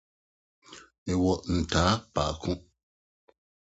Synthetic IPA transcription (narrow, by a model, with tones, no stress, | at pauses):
e˨wɔ˨ʔn̩˨taː˨˦paː˨kʰu˦ʔ